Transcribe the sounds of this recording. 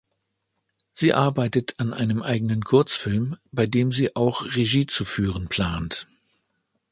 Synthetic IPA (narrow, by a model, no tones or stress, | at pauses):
z̥iːʔaɐbaɪtətʰanʔa̰ɪnəmʔaɪɡənənkʰʊɐt͡sfɪlmb̥aɪdeːmziːʔaʊxʁeʒiːt͡sufyːʁ̞ənpʰl̥aːnt